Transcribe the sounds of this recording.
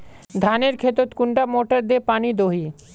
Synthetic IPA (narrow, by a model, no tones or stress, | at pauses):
d̪ʱaneɾkʰet̪ot̪kuɳʈamoʈaɾd̪epanid̪oɦi